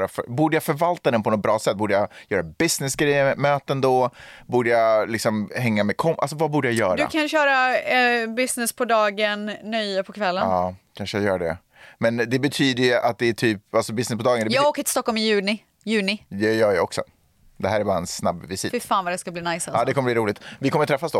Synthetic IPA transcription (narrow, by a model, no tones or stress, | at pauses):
ɾafœbuːɖəjafœɾvalt̪ad̪ɛnpʰɔnɔt̪̚bɾɑːsɛt̪̚ːbuːɖəjajœːɾabɪsnɪsɡɾɛjːəmøːt̪əɛnd̪ɔbuːɖəjalɪksɔmhɛŋːamɛkʰɔmʔa̰lsɔvabuːɖəjajœːɾd̪ɵa̰kʰanɕœːɾa | bɪsnɪspʰɔd̪ɑːɡənːœjəpʰɔkʰvɛlːənɑːkʰanʂəjajœːɾaɖɛ̰ | mɛnd̪ɛbɛt̪ʰyːd̪əjʔa̰t̪̚d̪ɛæʈʰyːpalsɔbɪsnɪspɔd̪ɑːɡənd̪ɛjɑːɡɡoːkət̪ʰɪ̥st̪ɔkːɔlmɪjʉ̟ːnɪ | jʉ̟ːnɪd̪ɛjœːɾjaɔksɔ̰ | d̪ɛɦæːɾæbɑːɾaɛnsnabvɪsɪfɪfaːnvad̪ɛskabliːnajsaɑːd̪ɛkʰɔmːəbliːɾuːlɪɡt̪vɪkʰɔmːəɾt̪ʰɾɛfːasd̪ɔ